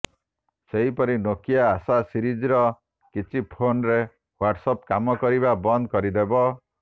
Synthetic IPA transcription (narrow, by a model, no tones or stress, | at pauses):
seɦipɔɾinokijaːsasiɾid͡ʒiɾɔ | kit͡ʃʰipʰonɾe | waɾʈsɔpkamɔkɔɾibabɔnd̪ʱkɔɾid̪ebɔ